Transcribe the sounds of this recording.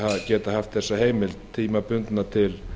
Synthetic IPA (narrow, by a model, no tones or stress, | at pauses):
haðcɛːt̪aɦaft̪θɛsːaɦeːjmɪlt̪ʰiːmapʏnt̪nat̪ʰɪl